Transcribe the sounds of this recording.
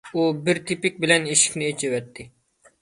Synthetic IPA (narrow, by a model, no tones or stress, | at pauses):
ubɪɾt̪ʰɪpɪk̚ʲbɪlɛniʃɪ̥kʲnɪet͡ʃʰivɛt̪ʰːɪ